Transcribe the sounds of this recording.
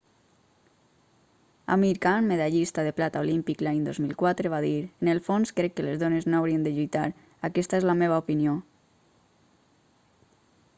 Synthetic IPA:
a̰miɾkanmeðaʎist̪aðeplat̪aolimpiklajnd̪ozmilˠkwat̪ɾeβaðiɾenelˠfonskɾɛkːelezðoneznoawɾiend̪eʎujt̪aɾ | akɛst̪aezlameβ̞aopinio

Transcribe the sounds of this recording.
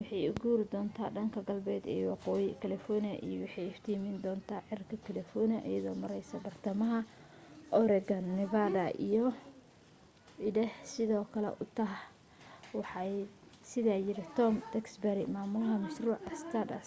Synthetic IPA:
wɑħɑjʊɡuːɾɪd̪ɔːnt̪ʰa̰ːɖɐŋkʰɐɡɐlbɛːd̪ɛ̰ːwɑqɔːjɪkʰɐlɛfɔnɪɐ̰ʔḭjɔwɑħɑjɪft̪ʰiːmɪnd̪ɔːnt̪ʰaːʕɪrkʰɐkʰɛlɛfɔnɪɐ̰ʔḭjɐðɔːmɐɾɛjsɐbɐrt̪ʰɐmɐɦɐ | ʔɔɾɛɡɐnːɪvadɐʔḭjɔ | ɪdɛhsɪðɔːkʰɐlɛ̰ʔʊt̪ʰɐɦ | wɑħɑsɪðaːjɪɾɪt̪ʰɔmd̪̥ɛksbɛɾɪmaːmʊlɐɦɐmɐʃruːʕɐst̪ʰadɐ̰s

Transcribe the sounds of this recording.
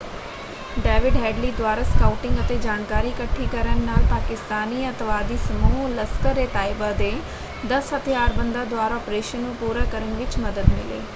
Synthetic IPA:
ɖɛːʋɪɖɦɛːɖliːd̪waːɾaːskaːuʈɪ̃ŋɡət̪eːd͡ʒaːnkaːɾiːkəʈʰːiːkəɾənːaːlpaːkɪst̪aːniːət̪ʋaːd̪iːsəmuːləskəɾeːt̪aːɪbaːd̪eː | d̪əsɦət̪ʰjaːɾbənd̪aːd̪ʊaːɾaɔːpɾeːʃənːũːpuːɾaːkəɾəɳʋɪt͡ʃməd̪əd̪mɪlḛː

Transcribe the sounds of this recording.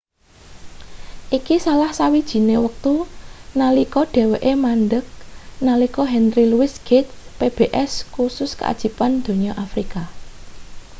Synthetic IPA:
ʔikisalahsawid̥ʒ̥i̤newək̚t̪unalikɔɖ̥e̤weʔemanɖək̚nalikɔɦɛnɾiluwɪsɡ̥ɪt̪peb̥eʔɛskusʊskə̰a̰d̥ʒ̥i̤pand̪̥o̤ɲɔʔafɾika

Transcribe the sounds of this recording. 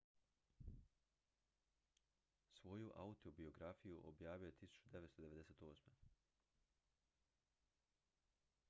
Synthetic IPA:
sʋo̞juʔa̰ut̪obio̞ɡɾafijuʔo̰bjaːʋijot̪isu̥t͡ʃud̪e̞ʋet̪t̪od̪eʋe̞d̪eseːt̪o̞ːsme

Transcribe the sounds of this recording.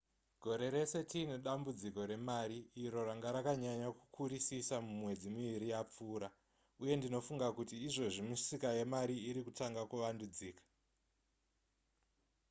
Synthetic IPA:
ɡ̥ʱo̞ɾe̞ɾe̞se̞tineɗambud͡ziko̞ɾe̞maɾiːɾo̞ɾaŋɡaɾakaɲaɲakukʰuɾisisamumwe̞d͡zimuʋiɾijap͡fuːɾa | uje̞ndino̞fuŋɡakutiːʐo̞ʐimusikaje̞maɾiiɾikutaŋɡakuʋandud͡ziːkḁ

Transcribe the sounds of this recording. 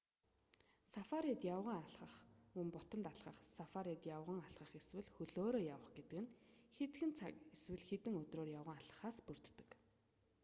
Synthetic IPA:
safaɾit̪jawʁə̆ŋaɮχə̆χumpʊt̪ə̆nt̪aɮʁə̆χsafaɾit̪jawʁə̆ŋaɮʁə̆χeswɘ̆ɮxɵɮoːɾoːjawə̆χɡet̪ɘ̆kɘ̆nxet̪xɘ̆nt͡sʰa̰keswɘ̆ɮxet̪ɘ̆ŋɵt̪roːrjawʁə̆ŋaɮə̥̆χaːspɵr̥t̪ːɘ̥̆k

